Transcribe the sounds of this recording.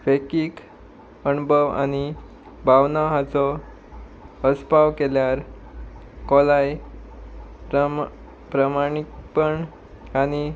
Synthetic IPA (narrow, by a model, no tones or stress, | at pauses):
fekik | ənubʱəʋa̰ñi | bʱaʋnaɦat͡sɔ | əspaʋkeljaɾ | kɔlaj | pɾəmaɳ̃ikpəɳ | ani